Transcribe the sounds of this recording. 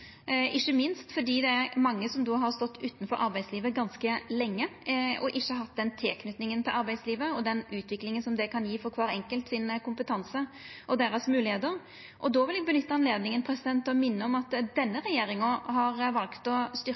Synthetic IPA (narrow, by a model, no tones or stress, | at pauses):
ʔɪçːəmɪnst̪fɔɖ̪iːd̪ɛæɾmɑŋːəsɔmd̪oːɦɑɾst̪ɔt̪ːʉːt̪ən̩fɔɾʔɑɾbæɪd̪sliːʋəɡɑnskəlɛŋːəɔʔɪçːəɦɑt̪̚ːd̪ɛnt̪ʰeːkʰnʏt̪nɪŋənt̪ʰɪlʔɑɾbæɪsliːʋəɔd̪ɛnʉːt̪ʰʋɪklɪŋənsɔmd̪ɛkʰɑnjiːfɔɾkʰʋɑːɾɛŋkəlt̪sɪnkʊmpət̪ʰɑnsəʔɔd̪eːɾəsmʉːlɪheːt̪əɾ | ʔɔd̪ɔʋɪlɛɡ̚bənʏt̪ːəɑnleːd̪nɪŋənpʰɾɛsɪd̪ɛnt̪ːɔmɪnːəɔmɑt̪d̪ɛnːəɾɛjeːɾɪŋəɦɑɾʋɑlkt̪ɔst̪ʏ